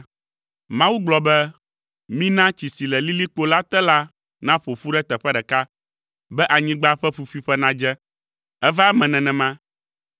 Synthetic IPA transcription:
mã˦wu˦ɡ͡blɔ˨bɛ˦ | mĩ˦nã˦t͡ɕi˨si˨lɛ˨li˦li˦k͡po˦la˦t̪ɛ˦la˦ | nã˦ɸo˨fu˦ɖɛ˦t̪ɛ˨ɸɛ˦ɖɛ˨ka˦ | bɛ˦ʔa˨ɲĩ˦ɡ͡ba˦ɸɛ˦ɸu˦fi˦ɸɛ˦nã˦d͡ʒɛ˦ | ɛ˦va˦mɛ̃˨nɛ̃˨nɛ̃˨mã˦

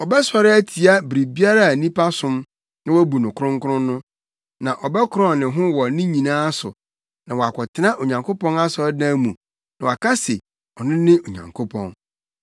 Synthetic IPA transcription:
ɔ˨bɛ˦sɔ˨ɾɪ˦æ˦tʰi˨a˦bɾi˨bi˦a˦ɾa˦˨a˨nĩ˦pʰa˦sʊ̃˦m | nã˦wɔ˦bu˨nʊ̃˨kʰʊ˦ɾʊ̃˦ŋkʰʊ˦ɾʊ̃˦nʊ̃˦ | nã˨ʔɔ˨bɛ˦kʰʊ˦ɾɔ̃˦˨nɪ̃˨ɦʊ̃˦wɔ˨nɪ̃˦ɲĩ˨nãː˦a˦sʊ̰˨ | nã˨wɔ˨a˨kʷʰɔ˨tʰɪ˦nã˦ʔo˨ɲã˨ŋkʰo˦pɔ̃˦na˦sʊ˨ɛ˦dã˦mũ˨ | nã˨wa˨kʰa˦se˨ | ɔ˨nɪ̃˦nɪ̃˦o˨ɲã̰˨ŋkʰo˦pʰɔ̰̃˨n

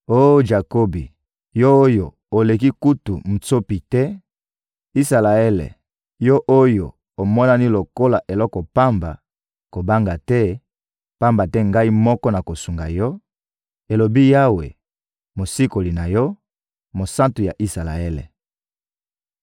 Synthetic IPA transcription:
o˦d͡ʒa˨ko˦bi˨ | jo˦o˦jo˨ | o˨le˨ki˦ku˦tu˨m̩˨so˦pi˨tɛ˦ | i˦sa˨la˨e˦lḛ˨ | jɔ˦ʔo˦jo˨ | o˨mɔ˦na˦ni˦lo˨ko˦la˨ʔe˨lɔ˦kɔ˨pa˦mba̰˨ | ko˨ba˦ŋɡa˨tɛ˦ | pa˦mba˨tɛ˦ŋɡa˦i˦mɔ˦kɔ˦na˨ko˨su˨ŋɡa˨jɔ˦ | e˨lo˨bi˦ja˦wḛ˨ | mo˨si˦ko˨li˨na˨jɔ˦ | mo˨sa˦ntu˨ja˨ʔi˦sa˨la̰˨e˦lḛ˨

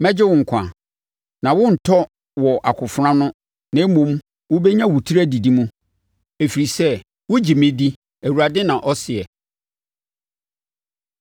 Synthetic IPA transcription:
mɛ̃˦d͡ʑɪ˦wʊ̃˨ŋ̩˨kʷʰã̰˨ | nã˨wʊ̃˦n̩˨tʰɔ˦ | wɔ˨ʔa˨kʰʊ˨fɾã˦nʊ̃˦ | nã˨˦mõ˦m | wʊ˦be˦ɲã˦wʊ˨tʰi˦ɾæ˦di˨di˦mũ˦ | e˨fi˨ɾi˨sɛ˦ | wʊ˦d͡ʑi˨mɪ̃˦di˦ | æ˨wu˨ɾa˨dɪ̃˦nã˨ʔɔ˦sɪ˨ɛ˨

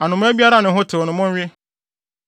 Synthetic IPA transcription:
a˨nʊ̃˨mʊ̃˦æ˦bi˦a˦ɾa˦nʊ̃˨˦ɦʊ˦tʰɪ˨ɔ˨nʊ̃˨mʊ̃˦ɥɪ˦

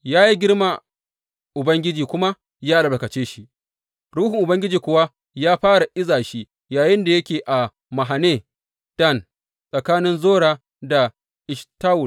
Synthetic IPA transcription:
jaː˦ji˦ɡʲɪ˦rma˨ | ʔʊ˨bɐ˦ŋɡʲɪ˦d͡ʒiː˨kʷʊ˦ma˦ | jaː˦lɐ˨bɐ˨kɐ˨t͡ʃeː˦ʃi˦ʔ | ɽuː˦hɪ˨ŋʔʊ˨bɐ˦ŋɡʲɪ˦d͡ʒiː˨kʷʊ˨wa˦ | jaː˦ɸaː˦ɽa˨ʔɪ˦zaː˨ʃi˦ | jaː˨jɪ˦nda˨jɐ˦kʲeː˨ʔa˨ | ma˨ɦa˨neː˦ | d̥ɐ˦˨n | sʼɐ˨kaː˦nɪ˦nzoː˦ɽaː˨ | da˨ | ʔɪ˨ʃtaː˦wʊ˨l

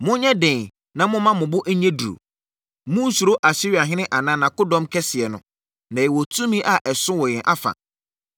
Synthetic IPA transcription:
mʊ̃˦ɲɛ̃˦dɛ̃˨n | nã˨mʊ̃˦mã˦mʊ̃˨bʊ˦ʔæ˦ɲɛ̃˦du˨ɾo̰˨ | mʊ̃˦n̩˦su˨ɾo˦ʔa˨ɕɪ˦ɥa˨ɦɪ̃˦nɪ̃˦ʔa˨nã˦nã˨kʊ˦dɔ̃˦mkʰɛ˦sɪ˨ɛ˨nʊ̃˨ | nã˨jɛ˨wɔ˨tʰũ˦mĩ˦ʔa˨ʔɛ˨sʊ̃˦wɔ˨jɛ̃˨ʔa˦fa̰˨

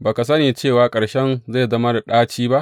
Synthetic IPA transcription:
baː˨ka˨s̬ɐ˦neː˨t͡ʃeː˦˨waː˨kʼɐ˨ɽʃɛ˦nza˦˨zɐ˦ma˦da˨ɗaː˦t͡ʃiː˦ba˦ʔ

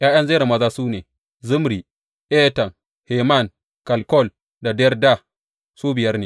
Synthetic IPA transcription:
jaː˦j̰ɐ˦nze˦ɾa˨mɐ˦zaː˦suː˦neː˨ | zʊ˦mɾi˨ | ʔɛː˦tɐ˨ŋ | heː˨ma˦˨ŋ | ka˨lkɔ˦˨l | da˨dɛ˦rda˦˨ | suː˦bɪ˨jɐ˦rneː˨

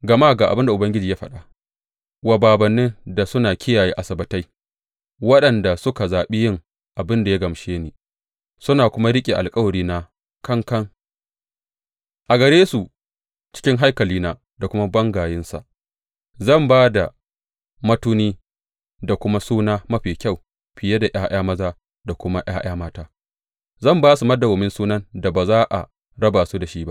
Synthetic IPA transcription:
ɡɐ˨ma˦˨ɡaː˨ʔa˨bɪ˦nda˨ʔʊ˨bɐ˦ŋɡʲɪ˦d͡ʒiː˨jaː˦ɸɐ̰˨ɗa˨ | wa˨baː˨bɐ˨nːɪ˦nda˨sʊ˦naː˨kʲɪ˦jaː˨jiː˦ʔa˨sɐ˨bɐ˨ta˦j | wɐ˦ɗɐ˨nda˨sʊ˦ka˨zaː˨ɓi˦jɪ˦ŋ | ʔa˨bɪ˦nda˨ja˦ɡɐ˨mʃeː˦neː˨ | sʊ˦naː˨kʷʊ˦ma˦ɽɪ˦kʲʼe˨ʔa̰˨lkʼɐ˦wɐ˨ɽiː˦na˦ | kɐ˦ŋkɐ˦ŋ | ʔa˨ɡɐ˨ɾeː˦su˨ | t͡ʃɪ̥˦kʲɪ˦ŋɦa˦jkɐ˨liː˦na˦ | da˨kʷʊ˦ma˦bɐ˦ŋɡaː˨jɪ˦nsa̰˨ | zɐ˦˨mbaː˦da˨ | mɐ˦tuː˦niː˦ | da˨kʷʊ˦ma˦suː˦naː˦mɐ˦ɸiː˨kʲa˦˨w | ɸɪ˨je˦da˨ʔaː˦j̰aː˦mɐ˦zaː˦ | da˨kʷʊ˦ma˦j̰aː˦j̰aː˦maː˦taː˦ | zɐ˦˨mbaː˦su˨mɐ˦da˨wʊ˨mɪ˦nsuː˦nɐ˦nda˨baː˨zaː˦ʔa̰˨ | ɽɐ˦baː˨su˦da˨ʃiː˦ba̰˦ʔ

